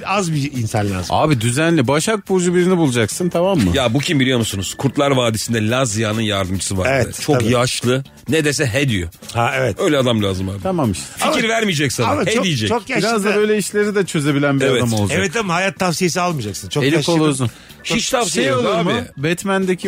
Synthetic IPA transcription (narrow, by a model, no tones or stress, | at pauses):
azbiːnsanlʲa̰ːzɯa̰ːbid̪yzænlʲibaʃak̚bud͡ʒubiɾinibulˠud͡ʒaksɯnt̪ʰamamːɯjabucʰimbilʲijo̞musunuz̥kʰuɾt̪lˠaɾvaːd̪isind̪ɛlʲazjanɯnjaɾd̪ɯmd͡ʒʰɯ̥sɯvaɾdvɛɯt͡ʃʰo̞kjaʃlˠɯ | ned̪e̞s̬ɛɦɛd̪ijohaevɛt̪ø̞jlʲɛad̪amlʲaːzɯmaːbt̪amamːɯʃfiiɾvæɾmijd͡ʒɛcsaaahɛd̪ijid͡ʒɛt͡ʃʰokjaʃiɾzd̪abøjlʲɛiʃlʲeɾid̪ɛt͡ʃʰø̞ze̞bilʲænbevɛmolˠɛvɛt̪amahajat̪ʰːafsijes̬ialˠmɯːd͡ʒaksɯnt͡ʃʰoeliʃkolˠuzun | hit͡ʃt̪ʰafsijeoluɾaːbibɛt̪mænd̪ecʰi